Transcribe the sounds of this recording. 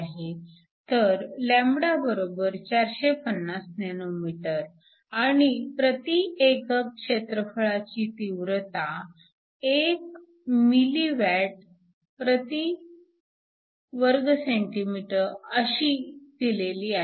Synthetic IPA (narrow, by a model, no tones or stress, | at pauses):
ɦe | t̪əɾlɛ̃mbɽabəɾobəɾt͡ɕaɾɕepənːasnenomiʈəɾ | aɽ̃ipɾət̪iekəkːʂet̪ɾəfəɭat͡ɕiːt̪iʋɾət̪a | ek | miliʋæʈ̚ | pɾət̪i | ʋəɾɡseɳʈimiʈəɾəɕid̪̥ileliːa